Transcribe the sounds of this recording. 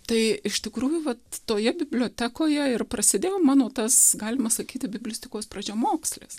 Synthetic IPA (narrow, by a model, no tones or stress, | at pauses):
t̪ɐɪɪʃt̪ʲɪkɾuːjʊʋɐt̪toːjɛbʲɪbʲlʲoːt̪ʲæːkoːjɛɪrprɐsʲɪd̪ʲeːjoːmɑːnoːt̪ɐsɡɑːlʲɪmɐsɐkʲiːt̪ʲɪbʲɪbʲlʲʊsʲt̪ʲɪkoːspɾɐd͡ʒʲomoːksʲlʲɪ̰s